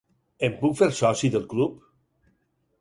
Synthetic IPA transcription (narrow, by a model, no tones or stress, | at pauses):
empukfeɾsɔsiðəlˠklup